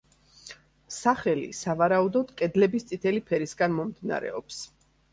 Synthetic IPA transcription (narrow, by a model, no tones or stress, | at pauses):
saχɛlḭsavaɾaud̪ɔd̪̥kʼɛd̪lɛbist̪sʼit̪ʰɛlipʰɛɾisɡanmɔmd̪ina̰ɾɛ̰ɔps